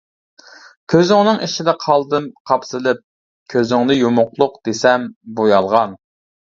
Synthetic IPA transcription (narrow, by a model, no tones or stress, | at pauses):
kʲʰøzɪŋnɨŋiʃid̪ɪqʰɑlˠd̪ɨmqʰɑpsɨlˠɪp̚ | kʲʰøzɪŋnɨjomʊqlˠʊqd̪̥esɛmbojɑlˠʁɑn